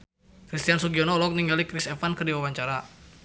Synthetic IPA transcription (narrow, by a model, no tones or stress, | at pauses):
kɾist̪iansuɡiɔnɔlɔk̚niŋalikɾisɛfankərdiwawaɲt͡ʃaɾa